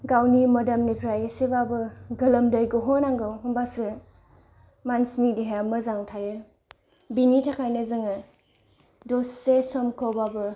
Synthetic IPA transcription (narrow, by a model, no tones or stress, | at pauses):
ɡawnimɐdɐmnipʰɾajesebabɯɡɐlɐmdɐjɡuɦɔnaŋɡɯwɔmbasɯ | mansinidiɦamɐzaŋtʰajɯ | binitʰakʰajnɐzɯŋɯ | dosːesɔmkʰowbabɯ